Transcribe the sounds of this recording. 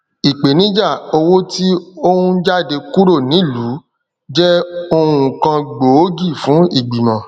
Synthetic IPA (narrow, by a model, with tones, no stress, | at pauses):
i˨k͡pe˨nĩ˦d͡ʒa˦˨o˧wo˦ti˦o˦wũ˦d͡ʒa˦˨de˧ku˦ɾo˦˨nĩ˨˦˨lu˨˦ | d͡ʒɛ˦o˧ũ˦˨kã˧ɡ͡bo˨o˦ɡi˦˨fũ˨˦i˦˨ɡ͡bi˨mã˨